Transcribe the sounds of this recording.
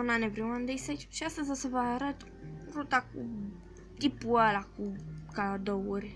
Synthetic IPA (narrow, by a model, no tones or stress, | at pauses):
nanɛvɾiwand̪esɛt͡ʃʃiast̪əzasəvaɾət̪ | ɾut̪akṵ | t̪ipualakukaad̪ouɾʲ